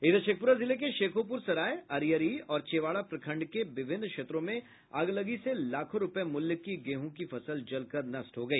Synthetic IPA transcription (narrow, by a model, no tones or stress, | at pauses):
ɪd̪ʃeːk̚pʊɾazɪlek̬eʃeːkʰop̬ʊɾsɐɾaːjɐɾjəɾiɔːɾt͡ʃeːʋaːɭapɾɐkʰə̃ɳɖkeʋɪʋʱɪnd̪kʃeːt̪ɾõmẽ | ɐɡlɐɡiselaːkʰõɾʊpjemʊljəkːiɡeːɦõkifɐsəld͡ʒɐlkɐɾnɐsʈɦoɡɐiː